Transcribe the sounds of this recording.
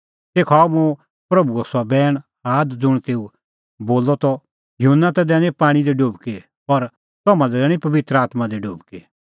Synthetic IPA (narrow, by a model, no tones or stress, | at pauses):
t̪eːkʰaːmũ | pɾɐbuɐsɔbɛːɽ̃ | aːd̪d͡zʊɽ̃t̪eːu | boːlːɔt̪ɔ | jʊɦənːat̪ɛd̪ɛːñẽpaːɽ̃id̪ɛɖoːbke | ɔɾ | t̪ɔːmãd̪ɛd̪ɛːɽ̃ipɐʋɪt̪ɾəaːt̪mãd̪eɖoːbke